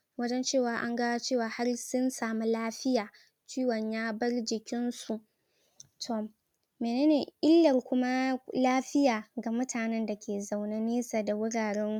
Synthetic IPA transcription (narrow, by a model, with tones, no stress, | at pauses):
wɐ˦d͡ʒɛ˦nt͡ʃeː˦˨waː˨ʔa˦ŋɡa˦t͡ʃeː˦˨waː˨˦ha˦rsʊ˦nsaː˨mu˦laː˦ɸɪ˦jaː˨ | t͡ʃiː˦wɐ˨ɲjaː˦bɐ˦rd͡ʒɪ˨kʲɪ˦nsu˨ʔ | tʰoː˨ | meː˨neː˦neː˨ʔɪ˦lːɐ˨rkʷʊ˦ma˦laː˦ɸɪ˦jaː˨ɡa˨mʊ˦tʰaː˨nɛ˦nda˨kʲʰeː˨za˨wna˦neː˦sa˨da˨wʊ˦ɽaː˨ɽɛ˦ŋ˦